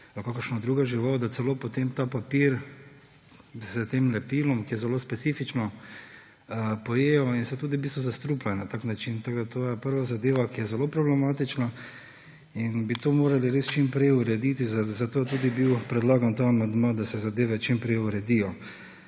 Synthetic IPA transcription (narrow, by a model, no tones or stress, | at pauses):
lakokəɾʃnɔd̪ɾuːɡaʒiʋawd̪at̪sɛloːpot̪emt̪aːpapiɾ | zzət̪emlɛpilɔmkijɛzɛloːspɛt̪siːfit͡ʃnɔ | əpɔjejɔinsɛt̪uːd̪ibiːst̪ʋɔzast̪ɾuplajnat̪aknat͡ʃint̪aɡd̪at̪oːjɛpəɾʋazad̪eːʋakijɛzɛlopɾɔblɛmaːt̪it͡ʃna | inbit̪oːmoːɾaliɾest͡ʃimpɾɛjuɾɛd̪it̪izzat̪oːjɛt̪uːd̪ibiwpɾɛd̪laːɡant̪aːmand̪mad̪asɛzad̪eːʋɛt͡ʃimpɾɛɪjuɾɛd̪ijɔ